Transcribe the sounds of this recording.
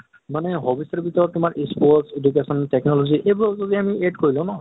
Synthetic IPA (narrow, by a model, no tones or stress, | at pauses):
maneɦɔbisɔɹbitɔɹɔtumaɹʔispɔʈsed͡ʒukesɔntɛknɔlɔziʔejbzod̪iamiedkoɹilõʊ̃nɔɔ